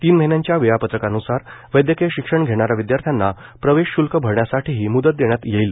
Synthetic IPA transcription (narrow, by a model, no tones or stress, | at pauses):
t̪iːnməɦinjãɲt͡ɕjaʋijapət̪ɾəkanusaɾʋəjd̪jəkeɕikʂəɳɡʱeɽ̃aɾaʋid̪jaɾt̪ʰjanːa | pɾəʋeɕːulkəbʱəɾɳjasaʈiɦiːmud̪ət̪̚d̪eɳjat̪jeiːl